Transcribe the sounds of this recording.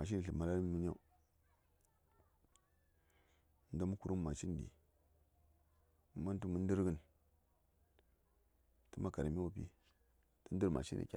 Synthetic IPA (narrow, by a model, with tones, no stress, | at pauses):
a˨ʃ̬i˦ni˨ɬə˨ma˨la˦ɾmu˦n˦a̰˦u˦ | n̩˦da˦mu˦ku˨ɾu˦m˦ma˨t͡ʃi˦n˨dḭ˨ | ma˦n˦tu˦mu˨˦n˦di˦ɾɡə˦n | tə˦ma˦ka˨ɾa˨mi˦wu˦˨pḭ˦ | tə˦n˦di˦ɾma̰˨ʃḭ˦nʔḭ˨kʲa̰˦